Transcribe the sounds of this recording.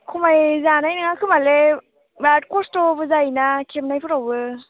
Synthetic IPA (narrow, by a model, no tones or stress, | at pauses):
kʰmajzaːnajnaŋakɯmale | bat̚kustovəzajnakʰimnajf̚ʰɔwvə